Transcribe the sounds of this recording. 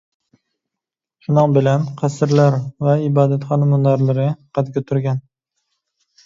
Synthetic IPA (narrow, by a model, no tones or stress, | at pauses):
ʃʊnɨŋbɪlanqʰɑsɪɾlaɾvaɪbɑːd̪at̪χɑnamʊaɾlɪɾɪqʰɑt̪ɡʲat̪ʰʊɾɡʲan